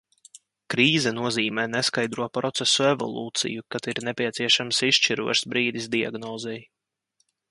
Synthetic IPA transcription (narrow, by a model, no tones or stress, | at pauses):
kɾiːzɛnuɔziːmɛːneskajd̪ɾuɔpɾɔt̪sɛsuevɔ̰lˠṵːt̪sḭjukat̪iɾnepʲiɛt̪siɛʃamsiʃt͡ʃiɾṵɔʃsbɾiːd̪izd̪ia̰ɡnɔːzɛj